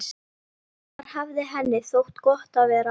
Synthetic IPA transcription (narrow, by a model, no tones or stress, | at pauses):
ɾ̥havðɪɦɛnːɪθowht̪kɔht̪awvɛːɾa